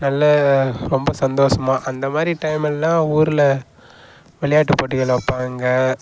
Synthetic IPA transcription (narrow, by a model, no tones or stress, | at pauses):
nɐlːɐɾɔmbɐsɐnd̪oːʂɐmaːʔɐnd̪ɐmaːd̪ɾiʈɐɪmɛlːãːuːɾɪlɐ | ʋɛɭɪjaːʈːɯpːoːʈ̬ːɯɣɐɭɐpːaːŋɡɐ